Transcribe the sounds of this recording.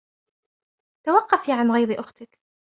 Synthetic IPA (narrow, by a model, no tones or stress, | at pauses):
t̪awɑqːɑfiːʕanɣajd̪ʔʊxt̪ɪk